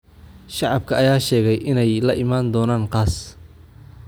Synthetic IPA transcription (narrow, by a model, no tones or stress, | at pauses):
ʃɑʕɑb̚kʰɐʔɐjaːʃɛːɣɛjʔɪnɛjlɐʔɪmaːnd̪ɔːnaːnqɑːs